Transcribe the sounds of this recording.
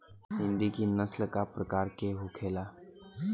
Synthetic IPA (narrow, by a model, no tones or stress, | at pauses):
hɪ̃nd̪ikinəsləkapɾəkaːɾkeɦukʰeːla